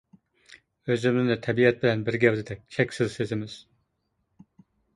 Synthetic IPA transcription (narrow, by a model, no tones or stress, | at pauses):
øzymɪznɛt̪ʰɛbiɛt̪̚bɪlɛnbɪɾɡʲɛwd̪ɪd̪ɛk̚ʲt͡ʃʰɛkʲsɪzsezɪmɪz̥